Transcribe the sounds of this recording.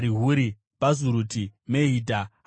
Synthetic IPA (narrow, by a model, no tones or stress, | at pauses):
ɾiɦuɾi | pazuɾutʰimeɦiːdʱa